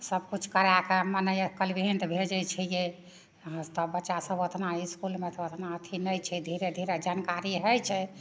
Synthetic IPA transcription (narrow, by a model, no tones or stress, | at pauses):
səbkut͡ʃʰkəɾakemənəjkəlbʱiint̪bʱed͡ʒɛt͡ʃʰɛjẽ | t̪ɔbətːʃasəbot̪ʰnaiskulmet̪ɔot̪ʰnaət̪ʰinəjt͡ʃʰɛd̪ʱiɾed̪ʱiɾed͡ʒankaɾiɦəjt͡ʃʰɛ